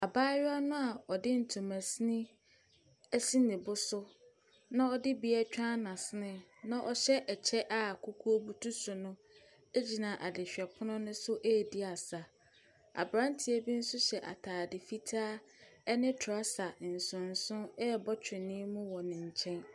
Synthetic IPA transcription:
a˨baː˦ɥa˦nʊ̃˦a˨ɔ˨dɪ˦n̩˨tʰũ˨mæ̃˨snɪ̃˦ | ɛ˦si˦nɪ̃˨bʊ˦sʊ˦ | nã˦ɔ˦dɪ˦bi˨˦ɛ˦t͡ɕᶣã˦nã˨sɪ˦nɪ̃˦˨nã˦ʔɔ˨ɕɛ˦ʔɛ˨t͡ɕʰɛ˦ʔa˨kʰʊ˦kʰu˦o˦bu˦tʰu˦sʊ˨nʊ̃˦ | e˦d͡ʑi˨nã˨ʔa˨dɪ˨ɕᶣɛ˨pʰʊ˦nʊ̃˦nʊ̃˦sʊ˦ʔeː˦˨dɪ˦a˨sa˨ | a̰˨bɾã˦ntʰɪ˨ɛ˦bi˦n̩˦sʊ˦ɕɛ˨ʔa̰˨tʰaː˨dɪ˨fi˦tʰaː˦ɛ˦nɪ̃˦tʰa˦sa˨n̩˨sʊ̃˨n̩˨sʊ̃˦ɛ˦˨bɔ˦t͡ɕʰᶣɪ̃˨nĩ˦mũ˦wɔ˨nɪ̃˨ɲ̩˨t͡ɕʰɛ̃˦n

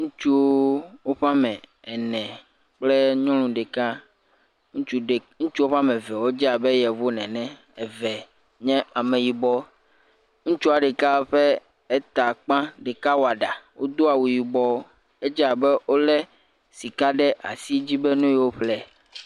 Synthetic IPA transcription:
ŋũ˦t͡ʃu˦wo˦ɸa˦mɛ̃˨ | ɛ˨nɛ̃˨ | k͡plɛ˦ɲɔ̃˦lũ˨ɖɛ˨ka˦ | ŋũ˦u˦˨ŋũ˦t͡ʃu˦o˦ɸa˦mɛ̃˨vɛ˨wo˦d͡ʒɛ˦a˨be˦jɛ˨vo˦nɛ̃˨nɛ̃˦ | ɛ˨vɛ˨ | ɲɛ̃˦a˨mɛ̃˨ji˨bɔ˦ | ŋũ˦t͡ʃu˦a˨ɖɛ˨ka˦ɸɛ˦ | e˦t̪a˨k͡pã˦ɖe˨ka˦wo˨a˨ɖa˨wʔo˦d̪o˦a˨wu˨ji˨bɔ˦o˦ | e˦d͡ʒɛ˦a˨bɛ˦o˦lɛ˦ | si˨ka˦ɖɛ˦ʔa̰˨si˦d͡ʑi˦be˦nũ˦jɛ˨wo˦ɸlɛ˦

